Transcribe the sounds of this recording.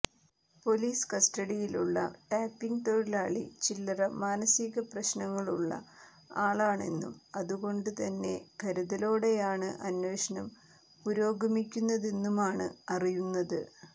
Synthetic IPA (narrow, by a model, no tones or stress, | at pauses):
po̞liːskɐsʈɐɽijiluɭːɐ̰ʈaːpːiŋɡt̪oɻilaːɭḭt͡ɕilːɐrɐmaːnɐsiɣɐprɐɕnɐŋːɐɭuɭːɐ̰ | aːɭaːɳe̞nːṵmɐðuɣo̞ɳɖɨt̪ɐnːe̞ɡʱɐɾuðɐlo̞ːɽe̞jaːɳɨʔɐnwe̞ːɕɐnɐm | puɾo̞ːɡɐmikʲːunːɐðe̞nːumaːɳɨ̰ɐrijunːɐðɨ